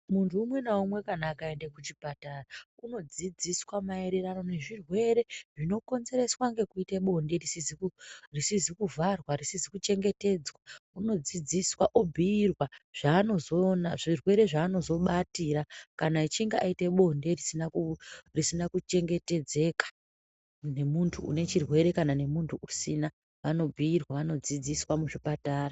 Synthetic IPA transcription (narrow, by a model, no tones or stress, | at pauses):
muntʰuːmwe̞naumwe̞kanaːkae̞ndekut͡ʃipatarauno̞d͡zid͡ziswamae̞ɾe̞rano̞ne̞ʐirwe̞ɾe̞ʐino̞ko̞nze̞ɾe̞swaŋɡe̞kuiteɓo̞nde̞risizikurisizikuvʱarwarisizikut͡ʃe̞ŋɡe̞te̞d͡zwauno̞d͡zid͡ziswaʔobʱiːrwaʐ̥aːno̞zo̞ːnaʐirwe̞ɾe̞ʐaːno̞zo̞ɓatiɾakanait͡ʃiŋɡeʔaite̞ɓo̞nde̞risinaurisinakut͡ʃe̞ŋɡe̞te̞d͡ze̞ːkḁ | ne̞muntʰuṵne̞t͡ʃirwe̞ɾe̞kanane̞muntʰuʔusina | ʋano̞bʱiːrwaʋano̞d͡zid͡ziswamuʐipataːra